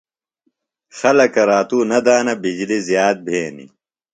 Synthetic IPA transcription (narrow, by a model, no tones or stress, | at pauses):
xɐlɐkɐɾaːt̪uːnɐd̪aːnɐbid͡ʑlizjaːt̪̚bʱeːnḭ